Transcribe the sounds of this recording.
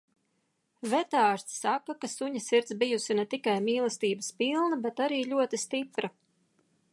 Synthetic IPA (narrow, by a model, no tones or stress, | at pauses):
vɛt̪aːɾt̪ssakːakasuɲɐsiɾt̪sbijusinɛt̪ikajmiːlˠɐst̪iːbəspilˠnɐbet̪aɾiːʎʲuɔt̪ist̪ipɾa